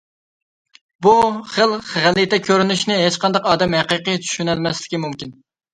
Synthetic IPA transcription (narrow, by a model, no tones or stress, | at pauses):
buχəlˠʁælɨt̪ʰɛkʲʰøɾynyʃnɪɦet͡ʃqɑnd̪ɑqɑːd̪ɛmhæqiqɨjt͡ʃ̪ʰy̥ʃynælmɛslɪ̥kʲimumkʲin